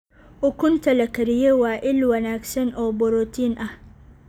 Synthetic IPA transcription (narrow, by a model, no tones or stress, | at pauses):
ʔʊkʊntɐlɐkɐɾjewaːʔɪlwɐnaksɐnʔobɔɾotinʔa